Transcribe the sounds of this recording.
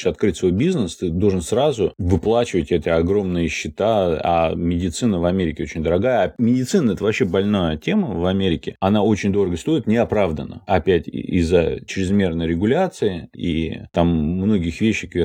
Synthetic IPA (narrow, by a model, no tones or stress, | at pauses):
ɪɐt̪̚kɾɨtʲsvo̞jbʲiznəst̪ɨd̪o̞lˠʐənsɾazʊvɨplˠat͡ɕɪvətʲɛt̪əɐɡɾo̞mnɨjəɕːɪt̪aa̰mʲɪdʲɪt̪sɨnəvɐmʲeɾʲɪkʲɪo̞t͡ɕɪnʲd̪əɾɐɡajəamʲɪdʲɪt̪sɨnəɛt̪əvɐpɕe̞bɐlʲnajətʲe̞məvɐmʲeɾʲɪkʲɪɐnao̞t͡ɕɪnʲd̪o̞ɾəɡəst̪o̞ɪt̪nʲɪɐpɾavd̪ənə̰ɐpʲætʲḭzːə̰t͡ɕɾʲɪzmʲe̞rnəjɾʲɪɡʊlʲat̪sɨɪḭt̪amːno̞ɡʲɪxvʲeɕːɪkʲ